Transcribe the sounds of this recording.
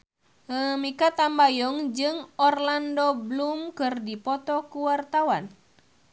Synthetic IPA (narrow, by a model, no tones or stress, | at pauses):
əmikat̪ambajɔŋd͡ʒɨŋɔrlandɔblumkɨrdipɔt̪ɔkuwart̪awan